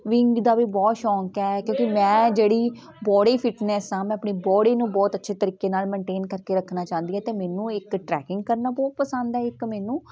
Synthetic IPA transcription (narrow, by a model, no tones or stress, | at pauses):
ʋɪŋɡd̪aːʋiːbɔːt̪ʃɔ̃ːŋkɛːkjõːkimɛ̃ːd͡ʒeːɽiː | bɔːɽiːpʰɪʈnɛːsãːmɛ̃ːəpɳeːbɔːɽiːnũːbɔːt̪ətːʃʰeːt̪əɾiːkeːnaːlmɛ̃ːɳʈeːnkəɾkeːɾəkʰnaːt͡ʃãːnd̪iːɛːt̪eːmɛːnũːɪkʈɾɛːkɪ̃ŋɡ̚kəɾnaːbɔːt̪̚pəsənd̪ɛːɪkmɛːnũː